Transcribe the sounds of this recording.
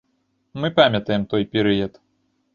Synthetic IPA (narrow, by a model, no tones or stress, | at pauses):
mɨpamʲɐt̪ɐjɛmt̪ɔjpʲɛɾɨjɐt̪